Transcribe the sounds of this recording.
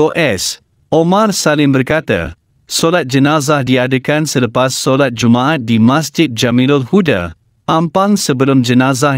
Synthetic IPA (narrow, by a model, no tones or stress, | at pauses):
oʔɛs | ʔomarsalɪmbərkat̪a̰ | solat̪̚d͡ʒənazahdiadəkansələpasːolat̪̚d͡ʒumaat̪̚dimas̬d͡ʒɪt̪̚d͡ʒamilolhuda̰ | ʔãmpaŋsəbəlʊmd͡ʒənaza